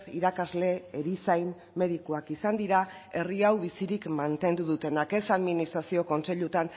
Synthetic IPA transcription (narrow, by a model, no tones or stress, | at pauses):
siɾakazle̞ːɾisajn | me̞ðikuakisand̪iɾae̞riawβisiɾikmant̪e̞nd̪uðut̪e̞nake̞saðminist̪ɾasio̞ko̞nse̞ʎut̪an